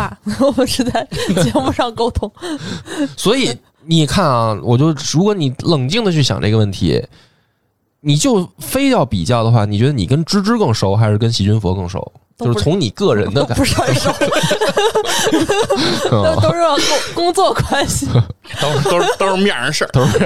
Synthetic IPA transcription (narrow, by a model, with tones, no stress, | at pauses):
wɔ˨˩mə˦nʂɻ̩˧˥t͡sa˥˩ɪt͡ɕjɛ˧˥mu˧˥˧ʂɑ˥˧ŋko˥˧˩ʊt̪ʰʊ˥ŋ | swɔ˧˥i˨˩˦ | ni˨˩kʰa˥˩nɐ˧˩wɔ˨˩t͡ɕjo˥˩ʊɻu˧˥kwɔ˧˥ni˨˩lɤ˨˩ŋt͡ɕi˥˩˧ŋd̪ə˨t͡ɕʰy˥˩ɕjɑ̰˨˩nʈ͡ʂe˥˩ɡə˧ʋə˥˩nt̪ʰḭ˧˥ | ni˨˩t͡ɕjo˥˩ʊfe˥ɪtjɑ˥˩ʊpḭ˨˩t͡ɕjɑ˥˩ʊd̪ə˩xwa̰˥˩ni˨˩t͡ɕɥɛ˧˥ə˧ni˨˩kə˥nʈ͡ʂɻ̩˥ʈ͡ʂɻ̩˥kɤ˥˩ŋʂo˧˥ʊxa˧˥ɪʂɻ̩˥˩kə˥nɕi˧˥t͡ɕy˥nfwɔ̰˧˥kɤ˥˩ŋʂo̰˧˥ʊt͡ɕo˥˧ʂɻ̩˥˧t͡sʰʊ˧˥ŋni˨˩kɤ˥˩ɻə˧˥nd̪ə˧ka̰˨pʂʂ | ʂɻ̩˥˧ɑ˥˧˩ʊ˥kʊ˥ŋt͡swɔ˥˧kwa˥nɕi˨˩ | t̪o˥o˥t̪o˥ʂɻ̩˥˧˩mjɛ˥˩ə˧˥ʂə˥˧˩t̪o˥ʂ̩˥˩